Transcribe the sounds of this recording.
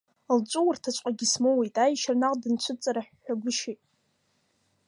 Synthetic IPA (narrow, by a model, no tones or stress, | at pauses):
lt͡ʃʷʼuwʊrtʰat͡ʃʷʼqʼaɡʲismowejtʼajʃarnaqʼdɨnt͡ɕʷʰʊt͡sʼaɾaħːaɡʷʊʃejtʼ